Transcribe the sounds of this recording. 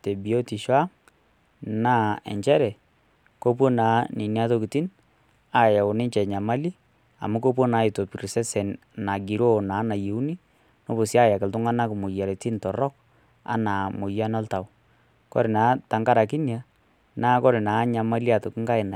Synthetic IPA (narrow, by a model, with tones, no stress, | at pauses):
te˨bi˨o˦ti˨ʃwa˦ŋ | naː˦ɛ̰˨ɲt͡ʃɛ˦ɾɛ˨ | ko˦p̬wɔ˦naː˨˦ni˨ni˦a˦to˦kɪ˨ti˦n | a˨ja˨ʊ˨nɪ˦ɲt͡ʃɛ˨ɲa˨ma˦li˦ | a̰˨mu˦ko˦p̬wɔ˦naː˦ɪ˨to˨pi˨ɾsɛ˦sɛ˨n | na˨ɡi˨ɾo˦naː˨˦na˨je˨u˦ni˦ | no˦bʊ˨si˦a˦ja˨kɪ˨ltʊ˦ŋa˦na˦kmʊ˨ja˨ɾɛ˨ti˦ntɔ˨ɾɔ˦k̚ | a̰˦na˨mʊ˨ja˦nɔ˦lta˨w | kɔ̰˦ɾɪ˨naː˨˦ta˨ŋka˦ɾa˨k̬i˦nja˦ | naː˦kɔ˦ɾɪ˨naː˨˦ɲa˨ma˦li˦a˨to˨kɪ˦ŋka˦ɪ˨na˨